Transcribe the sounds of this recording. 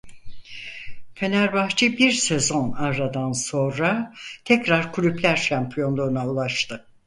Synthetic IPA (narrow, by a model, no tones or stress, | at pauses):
fe̞næɾbaxt͡ʃʰɯbiɾsezo̞naɾɾad̪anso̞nɾat̪ʰɛcɾaɾkʰylʲyplʲæɾʃampʰijo̞nd̪onaulˠaʃt̪ɯ